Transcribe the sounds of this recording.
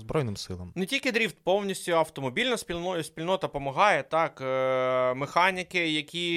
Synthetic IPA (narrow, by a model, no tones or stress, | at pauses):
zbɾɔjnɪmsɪlˠɐmnetʲilʲkɪd̪ɾʲiwt̪pɔwnʲisʲtʲʊɐwt̪ɔmɔbʲilʲnɐsʲpʲinɔʊsʲpʲilʲnɔt̪ɐpɔmɐɦɑjɛt̪ɑk | mexɑnʲɪkɪjɐkʲi